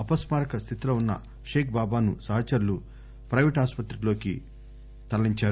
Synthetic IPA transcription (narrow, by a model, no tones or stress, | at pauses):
ɐpɐsmaːɾɐkɐst̪ʰit̪ilo̞ːunːɐ̰ | ʃeːk̚baːbaːnusɐːɦɐt͡ʃɐɾlu | pɾɐʋiʈaːspɐt̪ɾilo̞ːki | t̪ɐlɐːiɲt͡ʃaːɾu